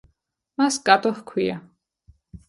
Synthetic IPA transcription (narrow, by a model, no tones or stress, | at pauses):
masɡʼat̪ʼɔχkʰwia